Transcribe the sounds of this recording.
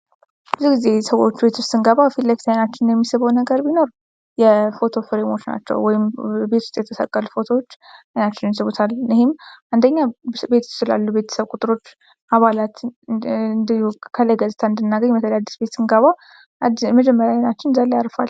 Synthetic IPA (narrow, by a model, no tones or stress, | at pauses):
bəzuɡize̞səwo̰t͡ʃːbe̞t̪ʰust̪ʼɨŋɡəβafit̪lləfi̥t̪ʰajnat͡ʃːɪnjɛmːisɨβawnəɡəɾbino̞ɾ | jɛfo̞t̪ʰo̞fɨɾemo̞t͡ʃːna̰t͡ʃːɛ̰wwɔjɪmbe̞t̪ʰʊst̪ʼjɛt̪ʰəsə̰kʼːəlfo̞t̪ʰo̞ot͡ʃːajnat͡ʃːɪnnsɨβut̪ʰalːihɪmʔand̪əɲːabe̞t̪ʰːst͡ʃɨla̰lːube̞t̪ʰə̥səβkʼut̪ʼɨɾo̞t͡ʃː | ʔaβalat̪ | kʰəlajɡəzt̪ʰaɨnd̪ɨnːaɡəɲmət̪ʰəlad̪ːisbe̞t̪sɨŋɡəβa | məd͡ʒɛmːəɾjanat͡ʃːɪnzaljaɾfa̰l